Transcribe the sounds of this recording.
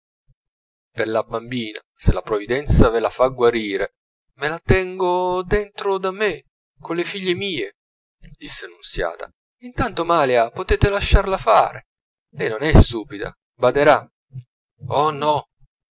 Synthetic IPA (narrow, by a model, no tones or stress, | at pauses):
perlabambiːna̰ | selapɾovid̪ɛnt̪savelafaɡwaɾiːɾe | melat̪ɛŋɡod̪ent̪ɾod̪amːe | konlefiʎːemiːe | d̪̥isːeanunsja̰ːt̪a̰ | int̪ant̪omaːleapot̪eːt̪elaʃːarlafa̰ːɾe | lɛjnonɛst̪uːpid̪a̰ | bad̪eɾa | ɔnɔ